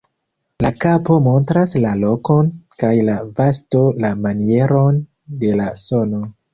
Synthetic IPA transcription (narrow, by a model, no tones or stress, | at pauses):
lakapo̞mo̞ntɾaslalo̞ko̞nkajlavasto̞lamanie̞ɾo̞n | de̞laso̞no̞